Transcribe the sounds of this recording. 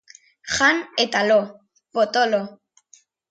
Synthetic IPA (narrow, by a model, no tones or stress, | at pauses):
xanet̪alo | pot̪olo